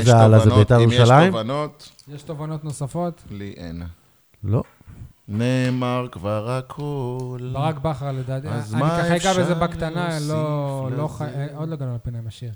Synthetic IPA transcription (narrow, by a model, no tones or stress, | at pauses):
zealazebejt̪ajeuʃalaimnot̪ | jeʃt̪ovano̞t̪no̞safo̞t̪liʔḛna | lo | nemaʁkvaʁakʰolbaʁakbaχaʁledat̪azamnikaaiɡabezebakt̪analoloaod̪loɡanolapinajmaʃiʁ